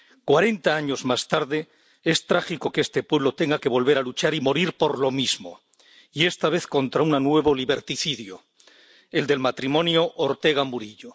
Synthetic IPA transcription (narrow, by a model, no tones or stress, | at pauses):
kwaɾe̞nt̪aaɲo̞zmast̪aɾðe̞ | e̞st̪ɾaxiko̞kest̪e̞pwe̞βlo̞t̪e̞ŋɡake̞β̞o̞lβ̞e̞ɾalut͡ʃaɾimo̞ɾiɾpo̞ɾlo̞mizmo̞̰ | ie̞st̪aβ̞e̞θko̞nt̪ɾaunanwe̞βoliβe̞ɾt̪iθiðjo | e̞ld̪e̞lmat̪ɾimõ̞njoʔoɾt̪e̞ɣamuɾiʎo